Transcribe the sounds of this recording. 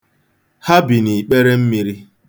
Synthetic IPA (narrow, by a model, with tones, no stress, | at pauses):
ha˦bi˨ni˨k͡pe˦ɾe˦m̩˦mi˦ɾi˦